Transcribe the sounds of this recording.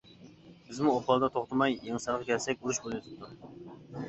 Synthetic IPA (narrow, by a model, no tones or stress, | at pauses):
bɪzmuopɑlˠd̪ɑt̪ʰoχt̪ɑmɑjeŋsɑɾqʰɑkʲʰɛlsɛk̚ʲuɾuʃbolˠot̪ʰɪ̥p̚t̪ʰu